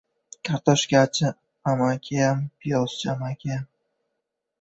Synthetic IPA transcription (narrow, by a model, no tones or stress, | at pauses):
kʲʰaɾt̪ɔʃkʲat͡ʃʰɪ | amakʲʰeampʰijɔst͡ʃʰamakʲeam